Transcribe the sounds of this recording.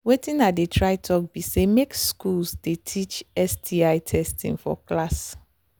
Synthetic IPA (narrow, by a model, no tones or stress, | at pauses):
wetĩnatdetʰɹaɪtʰɔk̚bisemekskulsdetʰit͡ʃɛstʰiaɪtʰɛstʰḭ̃ŋfɔ̰klas